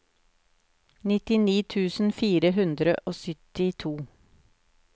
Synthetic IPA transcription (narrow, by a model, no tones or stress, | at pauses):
nɪt̪ɪniːt̪ʰʉːsn̩fiːɾəɦʉnd̪ɾəʔoːsʏt̪ɪt̪ʰuː